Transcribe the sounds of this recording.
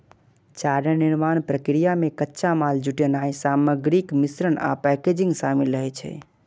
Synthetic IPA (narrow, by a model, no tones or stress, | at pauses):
t͡ʃaːɾəniɾmaːnpɾəkɾijamẽkətːʃamaːld͡ʒuʈenaĩsaːməɡɾikmisɾəna̰pɛked͡ʒĩŋɡsamilɾəɦɛt͡ʃʰɛ̰